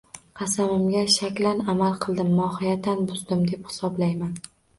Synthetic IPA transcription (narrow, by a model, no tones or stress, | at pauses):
qʰɑsamɪmɡʲaʃakʲlanamalˠqʰɨlˠd̪ɪmːɒhɪjat̪ʰːanbʊzd̪ɪmd̪e̞phɪ̥sɒblajman